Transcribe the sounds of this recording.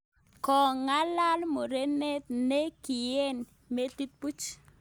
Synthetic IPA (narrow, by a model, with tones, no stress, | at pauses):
kɔ˨ŋa˦la˦lmo˨ɾe˦ne˦t̪̚ne˦ki˨je˦n | me˦ti˦t̪̚pu˦t͡ʃ